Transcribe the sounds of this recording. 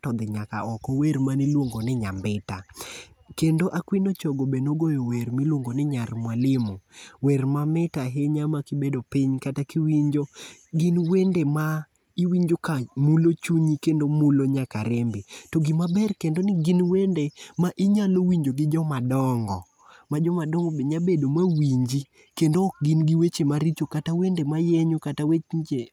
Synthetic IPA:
tɔd̪ɪɲaka̰ɔkɔwermanɪlwoŋɡonɪɲambɪta | kendoʔakwinot͡ʃoɡobenoɡojowɛrmɪlwoŋɡonɪɲarmwalɪmowɛrmamɪtaɦeɲamakɪbedopiɲkatakiwiɲd͡ʒo | ɡɪnwendema | iwiɲd͡ʒokamulot͡ʃuɲikendomuloɲaka̰ɾɛmbetoɡɪmabɛrkendonɪɡɪnwendemaʔɪɲalowiɲd͡ʒoɡɪd͡ʒɔmadɔŋɡɔ̰ | mad͡ʒɔmadɔŋɡɔbeɲabedomawiɲd͡ʒi | kendoːk̚ɡɪnɡɪwet͡ʃemaɾit͡ʃokatawendemajeɲokatawet͡ʃɲd͡ʒe

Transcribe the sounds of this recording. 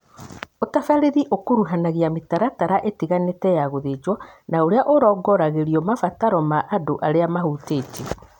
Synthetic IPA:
otafaɾeðiʔokoɾuɦanaɣiametaɾataɾaʔetiɣanetɛjaɣoðed͡ʒwɔnaoɾeaʔoɾɔːɡɔɾaɣeɾiɔmafataɾɔmaʔːdoʔaɾeamaɦuteːte

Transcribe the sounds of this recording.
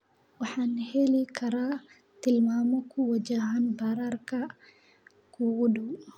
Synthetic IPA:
wɑħaːnhɛlɪkʰɐɾaː | t̪ɪlmaːmɔkʰʊwɐd͡ʒaɦanbaːɾaːrkʰɐ | kʰuwʊdu

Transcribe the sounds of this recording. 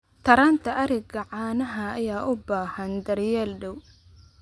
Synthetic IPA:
t̪ʰɐɾaːnt̪ʰɐʔɐɾɛɡɐʕɑːnɐɦɐːjaːʔʊbaːhɐnd̪ɐɾjɛːlɖɐw

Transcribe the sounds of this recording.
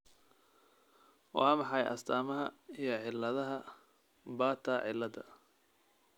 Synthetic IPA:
wɑ̰ɑmɑħɑjʔɐ̰st̪ʰaːmɐɦɐijɞʕɪlːɐðɐɦɐ | baːt̪ʰɐʕɪ̰lːɐd̪ɐ

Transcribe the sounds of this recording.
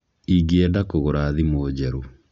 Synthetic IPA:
iɡɛdakoɣoɾaðimoːd͡ʑɛɾo

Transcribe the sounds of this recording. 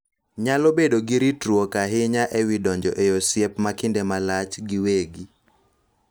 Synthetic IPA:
ɲalobedoɡiɾitɾwokaɦɪɲaʔɛwɪdɔɲd͡ʒɔʔejosjɛpmakɪndɛmalat͡ʃɡɪweɡi

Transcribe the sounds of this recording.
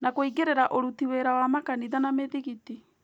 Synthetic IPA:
nakoiɡeɾeɾaʔoɾutiweɾawamakaniðanameðiɣiti

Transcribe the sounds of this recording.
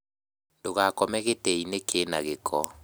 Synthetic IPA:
ndoɣakɔmɛɣetɛinekʰeːnaɣekʰɔ

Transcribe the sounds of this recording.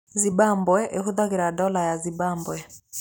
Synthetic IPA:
zibambwɛʔehuðaɣeɾadɔlajazibambwɛ

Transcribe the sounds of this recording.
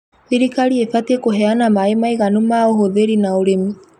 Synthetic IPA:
iɾikaɾiefatekoɦɛanamaemaiɣanomaoɦoðeɾinaoɾemi

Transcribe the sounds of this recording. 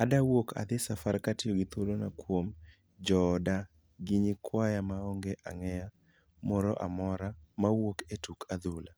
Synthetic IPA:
adawokʰa̰d̪ɪsafaɾkatɪɔɡɪt̪wolonakwom | d͡ʒɔda | ɡɪɲikwajamaɔŋɡeʔa̰ŋɛja | mɔɾɔʔa̰mɔɾamawoketukʰad̪ula

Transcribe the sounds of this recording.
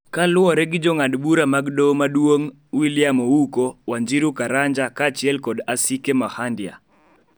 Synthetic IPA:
kalʊɔɾɛɡɪd͡ʒɔŋadbuɾamaɡdomadwoŋ | wilɪjamɔukowaɲd͡ʒiɾukaɾaɲd͡ʒakat͡ʃɪɛlkɔdasikemahandja̰

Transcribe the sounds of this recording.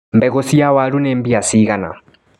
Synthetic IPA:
mbɛɣosiawaɾunɛːmbiasiɣana̰

